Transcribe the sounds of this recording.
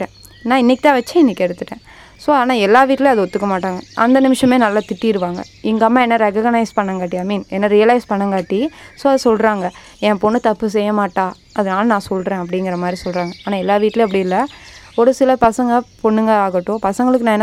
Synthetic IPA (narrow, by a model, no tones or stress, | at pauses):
ʈːẽː | nãːɪnːɪkːɪt̪ãːʋɐt͡ʃːɛ̃ɪnːɪkʲːɛɽɯt̪ːɯʈːẽː | soːaːnaːɛlːaːʋiːʈːleːɐðɯɔt̪ːɯkːɐmaːʈːaːŋɡɐʔɐnd̪ɐnɪmɪʂɐmeːnɐlːaːt̪ɪʈːiɪɾɯʋaːŋɡɐ̰ | ɪŋɡɐːmːaːɛnːɐɾɛkɐɡɐnɐɪspɐɳːɐŋɡaːʈːiaːmiːnɛnːɐɾijɐlɐɪspɐɳːɐŋɡaːʈːisoːɐðɯsɔlɾaːŋɡɐ | ɛ̃ːpɔɳːɯt̪ɐpːɯs̬ɛjːɐmaːʈːaː | ɐðɐnaːlɐnãːsɔlɾẽːɐp̬ːɐɽɪŋɡɪɾɐmaːd̪ɾisɔlɾaːŋɡɐaːnãːɛlːaːʋiːʈːleːɐpːɐɽɪjɪlːɐ | ɔɽɐsɪlɐpɐsɐŋɡɐpɔɳːɯŋɡɐaːɣɐʈːʊ̃pɐsɐŋɡɐɭɯkːɯnãːɛnː